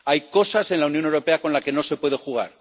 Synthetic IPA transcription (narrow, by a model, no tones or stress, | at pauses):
ajko̞sase̞nlaunjo̞ne̞wɾope̞ako̞nlake̞no̞se̞pwe̞ð̞e̞xuɣ̞a̰ɾ